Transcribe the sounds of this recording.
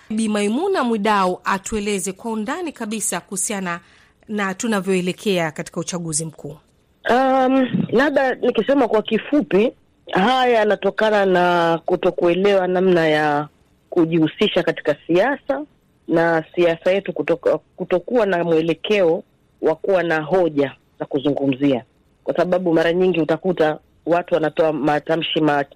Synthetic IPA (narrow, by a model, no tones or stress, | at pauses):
ɓimaimunamwiɗauʔatuɛlɛzɛkwaundanikaɓisakuhusiana | natunavjɔɛlɛkʰɛakati̥kaut͡ʃaɠuzim̩kʰuː | am̩laɓanikisɛmakwakifupi | hajaːnatɔkananakutɔkuɛlɛwanamnaja | kuʄihusiʃakati̥kasiasa | nasiasajɛtukkutɔkuwanamuɛlɛkʰɛɔ | wakuwanaɦɔʄa | zakuzuŋɡum̩zia | kwasaɓaɓumaɾaɲiŋɡiutakuta | watuwanatɔamatam̩ʃima